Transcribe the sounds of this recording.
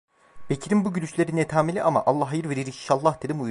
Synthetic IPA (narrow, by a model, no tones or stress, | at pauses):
b̥ecʰiɾimbuɟylʲyʃlʲeɾinet̪ʰaːmilʲiʔama̰ʔalˠːaɦajɯɾveɾiɾiiʃalˠːahd̪ed̪imu